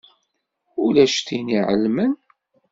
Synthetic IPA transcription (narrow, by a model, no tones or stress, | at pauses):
ʊlæʃθiniʕə̰lmən